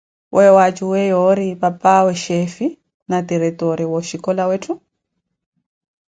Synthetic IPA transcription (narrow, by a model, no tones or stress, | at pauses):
wʔɛwat͡ʃuwɛjɔɾipapawɛʃefi | natiɾitɔɾiwɔʃikɔlawetʰu